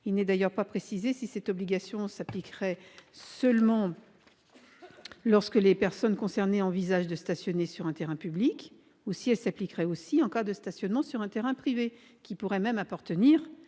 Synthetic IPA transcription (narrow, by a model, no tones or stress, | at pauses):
ilnɛd̪ajœʁpapχesizesisɛt̪ɔbliɡʲasjɔ̃saplikʁɛsœlmɑ̃ | lɔʁskəlepɛʁsɔnkɔ̃sɛʁneɑ̃vizaʒd̪əst̪asjɔnesyʁɛ̃t̪eʁɛ̃pyblik | usiɛlsaplikʁɛosiɑ̃kad̪əst̪asjɔnmɑ̃syʁɛ̃t̪eʁɛ̃pχive | kʲipuʁɛmɛmapaʁt̪əniːʁ